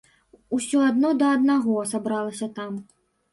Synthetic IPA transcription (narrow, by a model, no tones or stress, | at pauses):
usʲɔad̪nɔd̪ɐːd̪naɣɔsabɾalˠɐsʲɐt̪am